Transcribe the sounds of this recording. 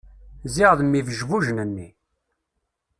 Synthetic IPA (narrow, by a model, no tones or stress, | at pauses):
ziʁðmːivəʒvuʒnənːi